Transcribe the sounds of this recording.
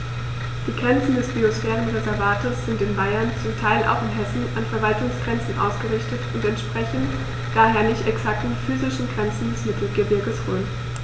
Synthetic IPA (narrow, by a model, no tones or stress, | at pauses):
d̥iːɡʁɛnt͡sn̩dɛsb̥iosfɛːʁənʁezɛɐvaːtəsz̥ɪntɪnbaɪɐnt͡sʊmtʰaɪlʔa̰ʊxɪnɦɛsn̩anfɛɐvaltʊŋsɡ̥ʁɛnt͡sn̩ʔa̰ʊsɡ̥əʁɪçtətʊntɛntʃpʁ̥ɛçn̩t | d̥aːɦeːɐnɪçtɛksak̚tn̩fyːzɪʃn̩ɡʁɛnt͡sn̩dɛsmɪtʰl̩ɡəbɪɐɡəsʁ̥uːn